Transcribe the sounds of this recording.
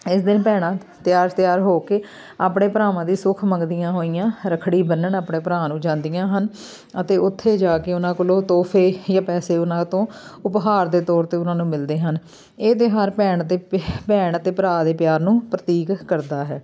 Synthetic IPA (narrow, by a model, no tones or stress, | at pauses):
ɪsd̪ɪnpɛːɽ̃ãː | t̪ɪjaːɾt̪ɪjaːɾɦoːkeː | aːpɳeːpəɾaːʋãːd̪iːsʊkʰməŋɡd̪ijãːɦoːijãːɾəkʰɽiːbənːəɳaːpɳeːpəɾãːnũːd͡ʒãːnd̪ijãːɦən | ət̪eːʊt̪ʰːeːd͡ʒaːkeːʊnãːkʊlõːt̪oːpʰeːjãːpɛːseːʊnãːt̪õːʊpɦaːɾd̪eːt̪ɔːɾt̪eːʊnãːnũːmɪld̪eːɦən | eːd̪eːɦaːɾpɛːɳt̪eːpɛːɳət̪eːpəɾaːd̪eːpjaːɾnũːpɾət̪iːkkəɾd̪aːɦɛː